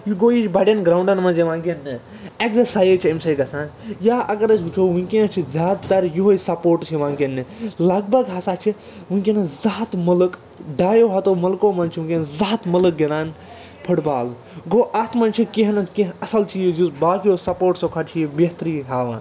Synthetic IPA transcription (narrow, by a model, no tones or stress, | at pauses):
juɡoːjit͡ʃʰʲbɐɖʲɐnɡɾaːwɳɖɐnmɐ̃nzeʋãːɡʲenːɨ | eksesaːjet͡ʃʰiemsɐjɡɐsãːnjaːʔɐɡɐɾɐt͡ʃʰʲɡut͡ʃʰoːʋũŋʲkʲẽːt͡ʃʰizʲaːd̪t̪ɐɾjuɦoisɐpoːʈt͡ʃʰiʋãːŋɡʲenːɨlɐɡ̚bɐɡɦasaːt͡ʃʰi | ʋuŋʲkʲenɐzaːt̪mɐlɨk | ɖaːjoːɦɐt̪oːmɐlkoːmɐnt͡ʃʰiũkʲenzaːt̪mɐlɨk̚ɡenaːn | pʰuʈbaːl | ɡoːʔɐt̪ʰmɐnt͡ʃʰikiɦɐnɐkẽɦɐsɐlt͡ʃʰijizubaːkijoːsɐpoːʈsokʰɐt͡ʃʰijibɐt̪ɾiːɦaːʋã̰ːn